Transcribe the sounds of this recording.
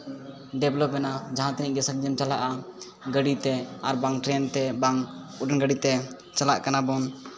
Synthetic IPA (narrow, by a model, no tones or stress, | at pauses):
ɖɛblɔp̚ːɛnad͡ʒaɦãt̪ɛĩʔɡɛsək̚d͡ʒəmt͡ʃalaʔa | ɡəɽit̪ɛaɾbaŋʈɾɛnt̪ɛbaŋ | uɖɛnɡəɖit̪ɛ | t͡ʃala̰ʔkanabɔn